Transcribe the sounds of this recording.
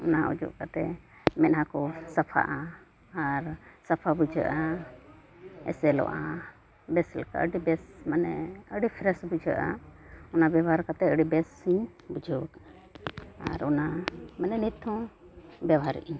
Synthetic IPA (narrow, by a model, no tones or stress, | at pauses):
ɔnaṵd͡ʒṵʔkat̪ɛmɛʔɦakɔsapʰa̰ʔaː | ɾsapʰabud͡ʒʱə̰ʔa | ɛ̰sɛlɔ̰ʔa | bɛsɛlka̰əɖibɛsmənɛəɽipʰɾɛsbud͡ʒʱə̰ʔaɔnabawɦaɾkat̪ɛəɽibɛsːiɲ | bud͡ʒʱɔk | a̰ɾɔnamənɛnit̪ʰːɔ̃ | bjawɦaɾ̰ʔiɲ